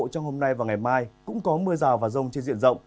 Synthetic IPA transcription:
t͡ɕɔ˧wŋ͡mho˧mna˧jvaː˨˩ŋa˨˩jmaː˧jkʊ̰˧˥ŋ͡mkɔ˨˦mɨ˧əzaː˨˩wvaː˨˩zə˧wŋ͡mt͡ɕe˧nzḭ˧˨nzə̰˧˨wŋ͡m

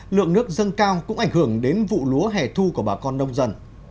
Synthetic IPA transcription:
lɨ̰˧˨əŋnɨ˦˥ək̚zə˧nkaː˧wkʊ̰˧˥ŋ͡mʔa˧˩jŋ̟hɨ˧˩əŋɗe˨˦nvṵ˧˨lu˨˦əɦɛ˧˩t̪ʰu˧ku˧˩ɓaː˨˩kɔ˧nːə˧wŋ͡mzə˧n

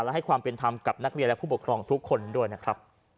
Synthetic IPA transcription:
lɛ˦˥ha˥˩jkʰwaː˧mpe˧nt̪ʰa˧mka˨˩p̚na˦˥k̚ɾi˧nlpʰuː˥˩pu˨˩kʰɾɔː˧ŋt̪ʰu˦˥kʰːo˧ndu˥˩əjna˦˥kʰɾa˦˥p̚

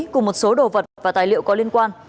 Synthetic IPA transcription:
kʊ˧˨˩mo˨˩t̚so˨˦ɗo˨˩və˨˩t̚t̚vaː˨˩t̪aː˨˩jlḭ˧˨əwkɔ˨˦li˧ənkwaː˧n

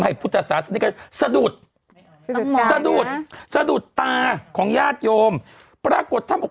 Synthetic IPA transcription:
ha˧˩jpʰu˥˩t̪ʰːa˧˩saː˩˦sa˧˦ni˦ka˧˥sa˧du˨˩t̪̚ | sa˧duː˨˩t̪̚sa˧duː˨˩t̪ːaː˧kʰɔː˩˦ŋjaː˥˩t̪̚joː˧mpɾaː˧ko˨˩t̪ʰːaː˧˥˩mʔo˨˩

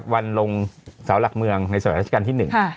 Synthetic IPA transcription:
k̚wa˧nlo˧ŋsaː˩˦wla˨˩k̚mɯ˧əŋna˧jsa˧˦˥a˧aː˧nt̪i˥˩nɯ˨˩ŋ˥˩

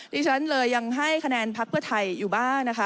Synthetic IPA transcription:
d̪iː˧t͡ɕʰa˦˥nlɤː˧jːa˧ŋɦa˥˩jkʰa˧nɛː˧npʰa˦˥k̚pʰɯ˥˩ɐt̪ʰa˧jːuː˨˩baː˥˩ŋna˦˥kʰa˦˥

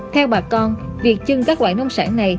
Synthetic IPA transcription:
t̪ʰɛ˧wɓaː˨˩kɔ˧nvi˨˩ək̚t͡ɕɨ˨˩ŋkaː˦˥k̚lwa̰ː˧˨jnmə˧wŋ͡msa̰ː˧˥nːa˨˩j

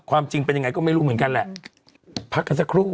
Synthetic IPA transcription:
kʰwaː˧mt͡ɕi˧ŋpe˧nja˧ŋ˧jkɔː˥˩ma˥˩jɾuː˦˥mɯ˩˦nka˧nlɛ˨˩ʔ | pʰa˦˥k̚ːa˧nsa˧˥kʰɾuː˥˩

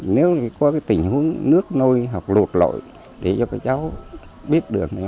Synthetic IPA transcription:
ne˨˦wkɔ˨˦kaː˨˦jt̪ï˧˩ŋ̟hu˨˦ənnɨ˦˥ək̚no˧jɦa˨˩wk͡p̚lo˨˩t̚lo̰˧˨j | ɗe˧˩zɔ˧kaː˧˦t͡ɕa˨˦w | ɓi˦˥ət̚ɗɨ˨˩ək̚na˨˦

